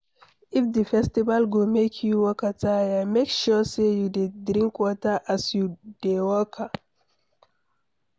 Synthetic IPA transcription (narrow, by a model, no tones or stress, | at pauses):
ifdəfɛstibalɡomekʰjuwɔkatajamekʃɔsejudedɾĩŋkwɔtaʔasjud̥ewɔkʰa